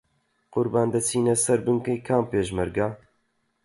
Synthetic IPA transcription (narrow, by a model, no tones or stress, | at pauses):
qʊɾbaːnd̪ɐt͡sʰiːnɛsɐɾbɨŋkejkʰaːmpeːʒmɛɾɡaː